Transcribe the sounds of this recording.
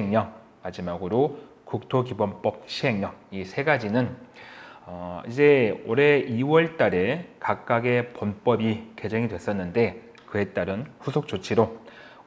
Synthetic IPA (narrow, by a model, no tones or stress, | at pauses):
eŋɲʌŋ | mad͡ʑimaɡɯɾo | kuk̚tʰokibʌmp͈ʌp̚ɕʰiɦe̞ŋɲʌŋisʰe̞ɡad͡ʑinɯn | ʌid͡ʑe̞oɾe̞iwʌɭt͈aɾe̞kak̚k͈aɡe̞ponp͈ʌbike̞d͡ʑeŋidwe̞s͈ʌnːɯnde̞ | kɯe̞t͈aɾɯnɸusʰok̚t͡ɕ͈ot͡ɕʰiɾo